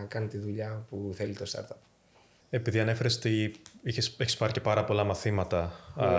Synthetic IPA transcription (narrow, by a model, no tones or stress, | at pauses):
kɐnit̪iðuʎɐpuθe̞lit̪o̞st̪ɐ̰ɾt̪ɐp | e̞piðiɐne̞feɾest̪iiçeseçispɐɾce̞pɐɾɐpo̞lɐmɐθimɐt̪ɐ